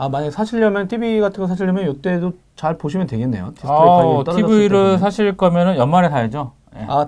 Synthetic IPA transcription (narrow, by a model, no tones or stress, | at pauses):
amaɲaɡesʰaɕʰiɭːʌmjʌntʰibiɡatʰɯŋɡosʰaɕ̬ʰiɭjʌmjʌnjot͈e̞do | t͡ɕaɭpoɕʰimjʌntwe̞ɡe̞nːe̞jo̰tʰittʰibiiɾɯɭsʰaɕʰiɭk͈ʌmjʌnɯnjʌnmaɾesaed͡ʑo | je̞̰a